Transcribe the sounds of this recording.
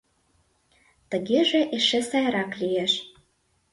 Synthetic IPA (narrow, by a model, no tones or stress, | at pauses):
t̪əɣeʒeʔeʃesɑjɾɑklieʃ